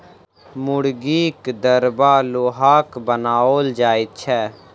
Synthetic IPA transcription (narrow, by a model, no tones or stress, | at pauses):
mʊɽɡiːkd̪əɾbaːloːɦaːkbənaːoːld͡ʒaːit̪t͡ʃʰɛː